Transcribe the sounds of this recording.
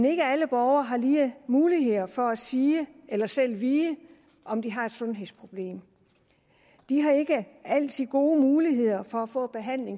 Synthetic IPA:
ene̝ɡ̥əæləb̥ɒʊɐɦɑ̈liːmuːliɦe̝ð̰ˠɐfɒ̽æsiːəelɐsel̰ʋiːə | ɒ̽md̥iɦɑ̈e̝d̥sɔ̽nɦe̝ð̰ˠspʰʁo̝b̥le̝̰ːm | d̥iɦɑ̈e̝ɡ̥əæl̰t͡sʰyðˠɡ̥o̝ːmuːliɦe̝ð̞̰ˠɐfɒ̽æfɔ̰̽ːb̥e̝ɦæn̰le̝ŋ

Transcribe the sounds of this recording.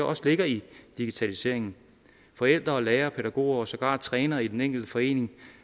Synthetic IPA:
ɐʔɒ̽sle̝ɡ̥ɐid̥iɡ̥it͡sʰælise̝̰ɐ̰e̝ŋn̩ | fɒ̽el̰d̥ʁɐɒ̽leːɐpʰeɾ̥æɡ̥o̝̰ːɐɒ̽sɒ̽ɡ̥ɑ̰̈ːd̥̚t͡sʰʁɛːnɐid̥eneŋ̰ɡ̥l̩d̥əfɒ̽e̝̰ːne̝ŋ

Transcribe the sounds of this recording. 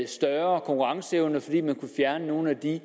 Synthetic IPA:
sd̥ɶɐkʰɒ̽ŋkʰuʁɑ̈ŋsəeʊnəfɒ̽d̥ḭːmænkʰufjæɐnəno̝ːn̩æd̥i

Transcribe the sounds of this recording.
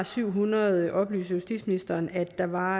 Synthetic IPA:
syʊ̰ɦunɐð̩ˠʔɒ̽b̥ly̰ːsəjusd̥ḭd̥sminisd̥ɐːnæd̥ːɑ̈ʋɑ̈

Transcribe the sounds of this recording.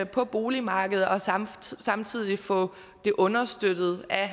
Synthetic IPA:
pʰɒ̽b̥o̝ːlimɑ̈ːɡ̥əð̞̩ˠɒ̽sɑ̈mt͡sʰið̞̰ˠifɒ̽ | d̥e̝ʔɔ̽nɐsd̥ød̥ð̩ˠæ

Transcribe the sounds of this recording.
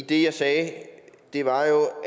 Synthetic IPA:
id̥e̝jɑ̈ɪsɛːd̥e̝ʋɑ̈jo̝

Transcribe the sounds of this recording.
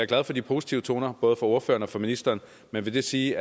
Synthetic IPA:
ɑæɐɡ̥læð̞ˠfɒ̽d̥ipʰo̝ːsi̥t͡sʰiʊət͡sʰo̝ːnɐb̥ɔ̽ːð̞̩ˠəfɒ̽o̝ɐfø̰ːɐnɒ̽fɒ̽minisd̥ɐːn | menʋe̝d̥e̝siː

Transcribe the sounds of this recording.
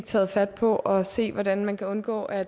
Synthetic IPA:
ɡ̥̚t͡sʰɛ̰ːð̞̩ˠfæd̥̚pʰɒ̽ʔɒ̽se̝̰ːʋɒdænmænkʰæɔ̽nɡ̥ɔ̰ːʔæ

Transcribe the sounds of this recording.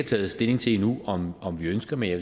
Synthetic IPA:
æt͡sʰɛ̰ːð̞̩ˠsd̥e̝le̝ŋt͡sʰe̝nuɒmɒ̽mʋiønsɡ̥ɐmejæ

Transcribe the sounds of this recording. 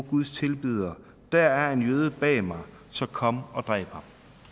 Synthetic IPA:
ɡ̥uð̞ˠst͡sʰe̝lb̥yð̞̰ˠɐ | d̥æɐæɐe̝njøːð̞ˠəb̥ɛ̰ːmɑ̈ɪ | sɒ̽kʰɒ̽məɒ̽d̥ʁɛ̰ɪb̥hɑ̈m

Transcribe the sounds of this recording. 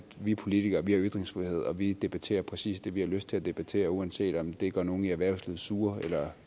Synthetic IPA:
ʋipʰo̝lit͡sʰiɡ̥ɐʋihɑ̈yd̥ʁeŋsfʁihe̝ð̞̰ˠɒ̽ʋid̥e̝b̥æt͡sʰe̝̰ːɐpʰʁɛsḭːsd̥e̝ʋihɑ̈løsd̥̚t͡sʰe̝æd̥e̝b̥æt͡sʰe̝̰ːɐuænse̝̰ːd̥ɒ̽md̥e̝ɡ̥ɶɐno̝ːn̩iæɐʋæɐʊsliːð̩ˠsuːɐelɐ

